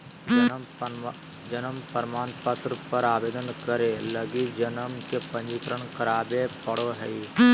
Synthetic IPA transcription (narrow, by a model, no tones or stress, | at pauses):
d͡ʒənəmpəɾmaːnpət̪ɾəpəɾaːʋeːd̪ənkəɾeləɡid͡ʒənəmkepə̃ɲd͡ʒikɾəɳkəɾaːbepəɽoɦɛi